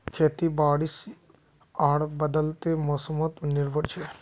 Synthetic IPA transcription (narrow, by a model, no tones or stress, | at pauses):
kʰeːt̪ibaːɽis | aːɽbəd̪əlt̪emoːsəmət̪nɪɾbʱəɽt͡ʃʰe